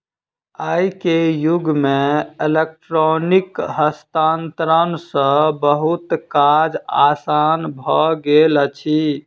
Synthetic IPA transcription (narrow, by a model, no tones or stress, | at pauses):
aikejuɡmeelek̚ʈɾonikɦəst̪ant̪ɾənsə̃bəɦut̪kad͡ʒa̰sanbʱɔɡelət͡ʃʰi